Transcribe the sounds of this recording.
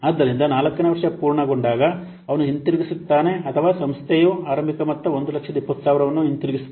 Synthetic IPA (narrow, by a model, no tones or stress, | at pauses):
aːd̪ːɐɾind̪ɐnaːlɐkːɐneʋɐɾʂɐpuːɾɳɐɡo̞ɳɖaːɡɐ | ɐʋɐnuɦint̪iɾiɡisut̪ːaːne̞ɐt̪ʰɐʋaːsɐmst̪ʰejuaːɾɐmbʱikɐmɐt̪ːɐond̪ulɐkʂɐd̪ɐipːɐt̪ʰːusaːʋiɾɐʋɐnːuɦint̪iɾiɡisut̪ː